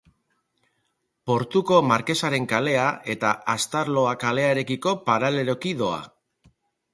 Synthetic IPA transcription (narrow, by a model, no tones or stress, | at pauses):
po̞ɾt̪uko̞maɾke̞saɾe̞ŋkale̞aʔe̞t̪aʔast̪aɾlo̞akale̞aeɾe̞kiko̞paɾale̞ɾo̞kiðo̞a̰